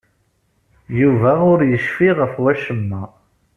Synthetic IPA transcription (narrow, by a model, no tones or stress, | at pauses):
juvæʊɾjəʃfiʁəfwæʃəmːæ